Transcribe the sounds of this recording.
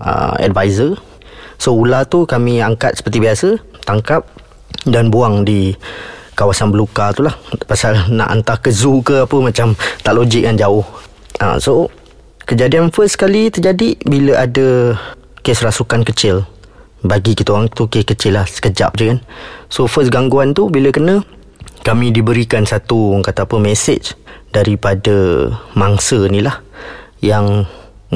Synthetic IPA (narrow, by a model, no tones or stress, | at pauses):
ə̰ɛ̰dvajzə | soulat̪ukamĩaŋkat̪̚sə̥pərt̪ibiasə | t̪aŋkap̚ | danbuaŋdi | kawasanbəlukat̪ulahpasalna̰ʔa̰nt̪ahkəzukəapəmat͡ʃamt̪aʔlod͡ʒɪk̚jand͡ʒaʊh | ʔa̰so | kəd͡ʒadianfəskalit̪əd͡ʒadibiləʔadə | kesɾasukankət͡ʃɪl | baɡikit̪əaŋt̪ukekət͡ʃɪlːahsə̥kəd͡ʒa̰p̚d͡ʒəkansofəsɡaŋɡuant̪ubiləkənə̃ | kamĩdibəɾikansat̪uŋkat̪aːpəmɛsɪt͡ʃdaɾipadəmaŋsənĩlah | jaŋ